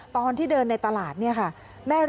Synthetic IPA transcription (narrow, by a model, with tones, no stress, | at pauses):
t̪ɔː˧nt̪ʰiː˥˩dɤː˧nːa˧jt̪a˧laː˨˩t̪̚ni˥˩ɐkʰa˥˩ | mɛː˥˩ɾ